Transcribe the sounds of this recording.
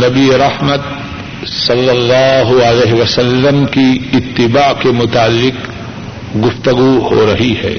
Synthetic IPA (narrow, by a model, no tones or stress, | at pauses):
nɐbieɾɐhməd̪̚ | sɐlːɐlːaːɦʊəleːɦeʋɐsɐlːəmkiɪt̪ːɪbaːkemʊt̪aːlːɪk | ɡʊft̪ɐɡuho̰ɾɐɦihɛ̰ː